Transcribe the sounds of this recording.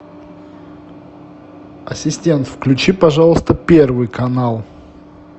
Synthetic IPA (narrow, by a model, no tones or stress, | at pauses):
ɐsʲɪsʲtʲe̞nt̪fklʲʉt͡ɕipɐʐalˠəst̪əpʲe̞rvɨjkɐnalˠ